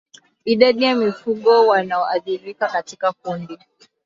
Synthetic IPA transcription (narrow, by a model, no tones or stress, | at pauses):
iɗaɗijamifuɠɔwanaɔʔaθiɾikakatikakundi